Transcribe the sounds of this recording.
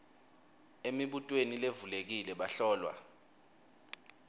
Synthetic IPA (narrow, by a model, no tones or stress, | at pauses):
emiɓutʼwenilevulek̬ilɛɓaɬɔːlwa̰